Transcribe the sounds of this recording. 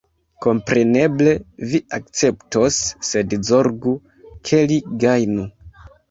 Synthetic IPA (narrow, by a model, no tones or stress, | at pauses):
ko̞mpɾe̞ne̞ble̞viak̚t͡se̞pto̞sːe̞dzo̞ɾɡu | kʰe̞liɡajnu